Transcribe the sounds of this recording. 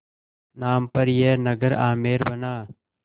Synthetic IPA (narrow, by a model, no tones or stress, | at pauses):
naːmpəɾɪjeːnəɡəɾaːmeːɾbɐnaː